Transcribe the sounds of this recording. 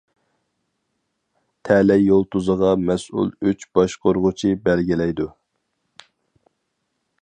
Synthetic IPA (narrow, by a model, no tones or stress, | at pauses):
t̪ʰɛlɛjːolˠt̪ʰuzəʁɑmɛsṵlˠyt͡ʃb̥ɑʃqoɾʁʊt͡ʃʰibælɡʲilɛjd̪u